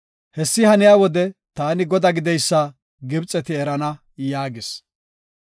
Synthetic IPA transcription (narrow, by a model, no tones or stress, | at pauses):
hɛsːɪhɐnɪjaːwɔd̪ɛt̪aːnɪɡɔd̪ɐɡɪd̪ɛjsːɐ | ɡɪbt͡sʼɛt̪ɪɛɾɐnɐ | jaːɡɪs